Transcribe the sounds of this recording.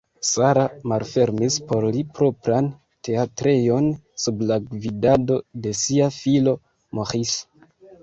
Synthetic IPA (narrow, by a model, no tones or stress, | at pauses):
saɾamalfe̞ɾmispo̞ɾlipɾo̞pɾan | te̞atɾe̞jo̞n | sublaɡvidado̞de̞siafilo̞ | moχis